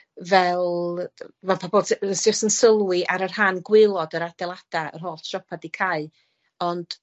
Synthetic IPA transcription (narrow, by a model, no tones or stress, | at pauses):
vɛlˠ | vɛlˠpʰabɔlˠssd͡ʒɪstənsəlˠwɪʔaɾərhanɡwɪlˠɔdəɾad̥ɛlˠad̥aə̰rɦoːlˠtʰrɔpʰadikʰaɨ | ɔnd̥